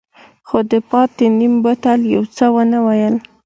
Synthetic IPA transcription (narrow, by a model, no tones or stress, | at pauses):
xod̪əpɑt̪̚d̪ənimbat̪aljawt͡səwənawajəl